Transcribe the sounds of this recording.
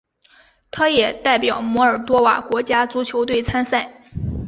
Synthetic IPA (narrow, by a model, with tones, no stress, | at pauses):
t̪ʰa˥jɛ˨˩t̪a˥˩ɪpjɑ˨˩ʊmwɔ˧˥ə˞˨˩t̪wɔ˥wa̰˨˩kwɔ˧˥t͡ɕja˥t͡su˧˥t͡ɕʰjo˧˥ʊt̪̬we˥˩ɪt͡sʰa˥nsa˥˩ɪ